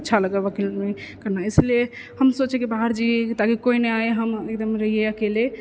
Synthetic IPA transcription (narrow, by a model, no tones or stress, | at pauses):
tːʃʰaləɡəbəkilmekəɾnaesle | həmsot͡ʃɛkibaɦəɾd͡ʒit̪akikoineaeɦəmek̚d̪əmeɾəɦijeakele